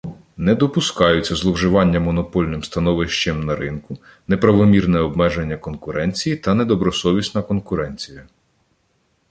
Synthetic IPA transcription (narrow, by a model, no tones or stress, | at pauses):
nɛd̪ɔpʊskɑjʊt͡sʲːɐzlˠɔwʒɪʋɑnʲːɐmɔnɔpɔlʲnɪmst̪ɐnɔʋɪʃt͡ʃɪmnɐɾɪnkʊ | nɛpɾɐʋɔmʲirnɛɔbmɛʒenʲːɐkɔnkʊɾʔɛnʲt͡sʲijit̪ɐnɛd̪ɔbɾɔsɔʋʲisnɐkɔnkʊɾɛnʲt͡sʲijɐ